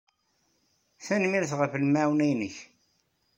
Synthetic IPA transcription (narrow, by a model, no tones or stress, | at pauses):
θænmiɾθʁəfəlmæwnæjnəç